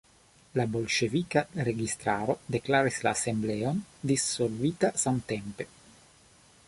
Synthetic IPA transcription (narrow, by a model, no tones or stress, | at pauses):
labo̞lʃevikaɾeɡist̪ɾaɾo̞d̪eklaɾislaːse̞mbleond̪isːo̞lvit̪asamt̪empe̞